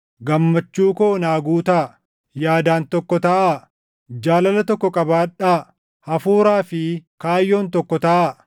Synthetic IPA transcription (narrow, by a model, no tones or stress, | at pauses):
ɡɐmːɐt͡ʃːuːkoːnaːɡuːt̪ɐ | jaːd̪aːnt̪ɔkːɔt̪ɐʔa | d͡ʒaːlɐlɐt̪ɔkːɔkʼɐbaːᶑaː | hɐfuːɾaːfɪkaːjːo̞ːnt̪ɔkːɔt̪ɐʔa